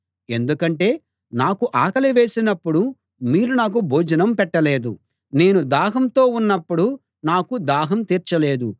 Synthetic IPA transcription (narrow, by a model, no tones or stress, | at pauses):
e̞nd̪ukɐɳʈe̞ː | naːkuʔaːkɐlɐʋe̞ːsinɐpːuɽu | miːɾunaːk̬ubʱoːd͡ʒɐnɐmpɛʈːɐle̞ːd̪u | ne̞ːnud̪aːɦɐmt̪o̞ːunːɐpːuɽu | naːkud̪aːɦɐmt̪iːɾt͡ʃɐle̞ːd̪u